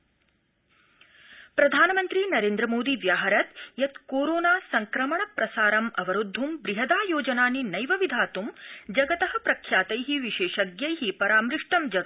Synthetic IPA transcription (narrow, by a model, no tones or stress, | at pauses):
pɾɐd̪ʱaːnɐmɐnt̪ɾinɐɾeːnd̪ɾɐmoːd̪iʋjaːɦɐɾɐt̪jɐt̪koːɾoːnaːsɐŋkɾɐmɐɳɐpɾɐsaːɾɐmɐʋɐɾud̪ʱːumbɾiɦɐd̪aːjoːd͡ʒɐnaːninɐjʋɐʋid̪ʱaːt̪umd͡ʒɐɡɐt̪ɐɦɐ̆pɾɐkʰjaːt̪ɐjɦiʋiʃeːʃɐɡjɐjɦipɐɾaːmɾɪʂʈɐmd͡ʒɐɡ